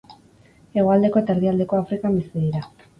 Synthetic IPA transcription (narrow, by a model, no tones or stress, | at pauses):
e̞ɣ̞o̞ald̪e̞ko̞et̪aeɾðiald̪e̞ko̞afɾikambest̪iðiɾa